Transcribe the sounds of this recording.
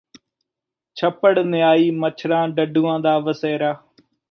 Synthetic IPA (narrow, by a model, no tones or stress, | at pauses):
t͡ʃʰəpːəɽnɪjaːiːmət͡ʃʰɾãːɖəɖuːãːd̪aːʋəseːɾaː